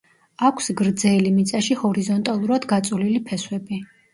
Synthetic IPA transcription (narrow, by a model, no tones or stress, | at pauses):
akʷʰsɡɾd̪zɛlimit̪sʼaʃihɔɾizɔnt̪ʼalˠuɾad̪ɡat̪sʼulilipʰɛswɛbi